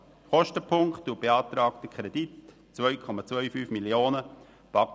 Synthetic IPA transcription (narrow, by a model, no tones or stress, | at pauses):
χɔʃtəpʰʊŋkχtːuːb̥eɑːt̪ɾɑːktəkʰʁɛdit | t͡svœʏkʰɔmɑt͡svœʏfyːfmiljoːnə | pɑk